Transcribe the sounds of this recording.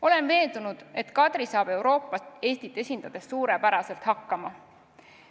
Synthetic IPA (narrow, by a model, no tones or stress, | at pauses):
o̞le̞nve̞ːnd̪̥unud̪̥e̞t̪kɑd̪̥ɾisɑːb̥e̞wɾo̞ːpːˑɑst̪e̞ːst̪it̪ːˑe̞sʲind̪̥ɑd̪̥e̞ssuːɾepæɾɑse̞lt̪hɑkːˑɑmɑ